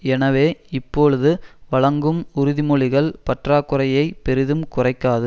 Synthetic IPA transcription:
ɛnɐʋeːɪpːoːɭɯðɯʋɐɭɐŋɡɯmʊɾʊðɪmɔɭɪɣɐɭpɐʈraːkːɯɾɐjɐɪpɛɾɪðɯmkʊrɐɪkːaːðɯ

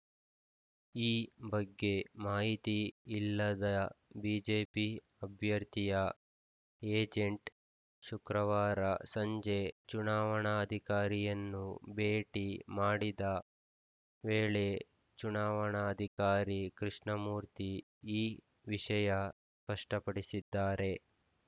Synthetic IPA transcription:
iːbɐɡːe̞maːɦit̪iːlːɐd̪ɐbiːd͡ʒeːpi | ɐbʱjɐɾt̪ijɐ | eːd͡ʒeɳʈ | ʃukɾɐʋaːɾɐsɐɲd͡ʒe̞t͡ʃunaːʋɐɳɐːd̪ʱikaːɾijɐnːubeːʈimaːɽid̪ɐ | ʋeːɭe̞ | t͡ʃunaːʋɐɳɐːd̪ʱikaːɾikɾiʂɳɐmuːɾt̪i | iː | ʋiʂɐjɐ | spɐʂʈɐpɐɽisid̪ːaːɾe̞

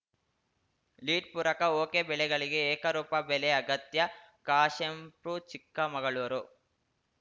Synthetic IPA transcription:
liːʈ̚puːɾɐkɐoːkeːbɛlɛɡɐɭiɡeːkɐɾuːpɐbɛleɐɡɐt̪jɐ | kaːʂempɾut͡ʃikːɐmɐɡɐɭuʋɐɾu

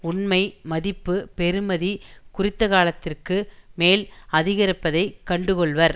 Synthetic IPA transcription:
ʊɳmɐɪmɐðɪpːɯpɛɾɯmɐðikʊrɪt̪ːɐkaːlɐt̪ːɪrkɯmeːlɐðɪɣɐɾɪpːɐðɐɪkːɐɳɖɯkɔɭʋɐɾ

